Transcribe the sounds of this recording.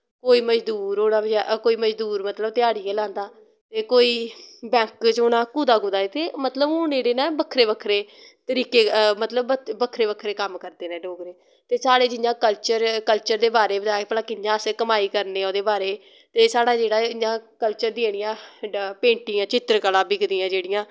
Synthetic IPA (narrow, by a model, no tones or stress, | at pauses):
koːiːməd͡ʒd̪uːɾoːɽaːbd͡ʒakoːiːməd͡ʒd̪uːɾmət̪ləbt̪ɪaːɽiːeːlãːnd̪aː | t̪eːkoːiːbɛ̃ːŋkt͡ʃoːɽaːkuːd̪aːkuːd̪aːet̪eːmət̪ləb̃oːneːɽeːnãːbəkʰːɾeːbəkʰːɾeː | t̪əɾiːkeːmət̪ləbəbəkʰːɾeːbəkʰɾeːkəmkəɾd̪eːnɛ̃ːɖoːɡɾeː | t̪eːsaːɽeːd͡ʒɪnjãːkəlt͡ʃəɾkəlt͡ʃəɾd̪eːbaːɾeːbəd̪aːepəlakːɪnjãːəskəmaːiːkəɾneːõːd̪eːbaːɾeː | t̪eːsaːɽaːd͡ʒeːɽaːɪjãːkəlt͡ʃəɾd̪ɪeːɽ̃ɪjãːpẽːɳʈɪ̃ːãːt͡ʃɪt̪ɾkəlaːbɪɡd̪ɪjãːd͡ʒeːɽɪjãː